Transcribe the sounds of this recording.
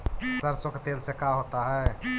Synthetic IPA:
səɾsoket̪elsekaɦot̪aɦɛ

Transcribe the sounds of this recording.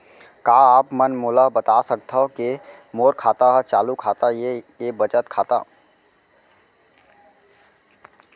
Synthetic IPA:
kaːaːpmənmoːlabət̪asək̚t̪ʰaɦoke | moːɾkʰaːt̪aɦɛt͡ʃaːlukʰaːt̪aje | ebət͡ʃət̪kʰaːt̪a̰

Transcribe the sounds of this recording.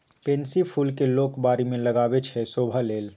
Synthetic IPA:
pensipʰulkelokbaɾimeləɡabet͡ʃʰɛsobʱəleːl

